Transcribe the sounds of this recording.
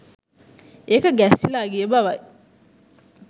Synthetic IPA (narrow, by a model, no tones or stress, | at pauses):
ekaɡasilaɡiebaba